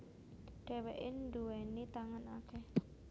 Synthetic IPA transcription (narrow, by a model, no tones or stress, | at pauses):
ɖ̥ɛ̤wɛʔɪnɖuɛnit̪aŋanakɛh